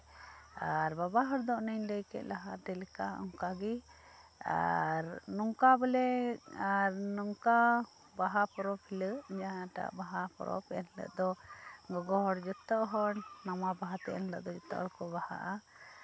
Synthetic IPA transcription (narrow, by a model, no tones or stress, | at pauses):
aɾbabaɦɔɾd̪ɔʔnəɲləjkɛ̰ʔ̪̚laɦat̪ɛlɛkaɔ̰ŋkaɡi | a̰ɾnɔŋkabɛlɛaɾnɔŋka | baɦapɔɾɔpʰiləʔd͡ʒaɦãʈa̰ʔbaɦapɔ̰ɾʔɔ̰pɛʔɛnlə̰ʔd̪ɔɡɔɡɔɦɔɾd͡ʒɔt̪ːɔʔɦɔɾnamabaɦat̪ɛʔɛ̰nlə̰ʔd̪ɔd͡ʒɔt̪ːɔ̰ʔɔɾkɔbaha̰ʔa